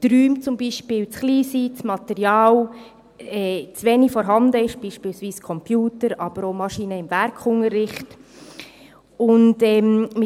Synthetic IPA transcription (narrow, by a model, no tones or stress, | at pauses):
tɾyːmt͡sʊmbiːʃpɪːlt͡sχliːsit͡smɑtɛɾjɑːl | ɛːt͡svɛnifɔɾɦɑndəɪʃb̥iːʃpiːlsviːskʰɔmpjuːtəɾɑb̥əɾomɑʃiːnəɪmvɛɾkʰʊŋəɾɪχt | ʊndɛmmɪ